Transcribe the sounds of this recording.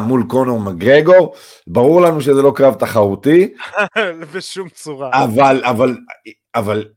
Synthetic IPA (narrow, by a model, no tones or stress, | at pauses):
mulko̞no̞ʁmaɡʁeɡo̞ʁ | baʁuʁlanuʃe̞zelo̞kʁavt̪aχaut̪i | beʃumt͡suʁaavalaval | aval